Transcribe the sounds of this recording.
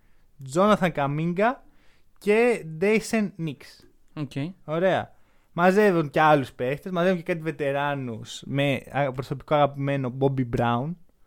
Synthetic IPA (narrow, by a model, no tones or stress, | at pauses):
d͡zo̞nɐθɐŋkɐmiŋɡɐ | ce̞d̪ejsenːiks | oceo̞ɾe̞ɐ̰ | mɐze̞vunceɐluspe̞st̪ezmɐzeuɲce̞kɐt̪̬izve̞t̪e̞ɾɐnusmeɐpɾo̞so̞pi̥ko̞ɐɣɐpime̞no̞bobibɾɐun